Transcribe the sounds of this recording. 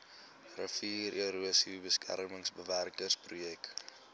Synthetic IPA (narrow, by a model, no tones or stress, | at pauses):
rəfiːrʔiɾuəsibəskʰæ̰rməŋsbəværkərsprujɛk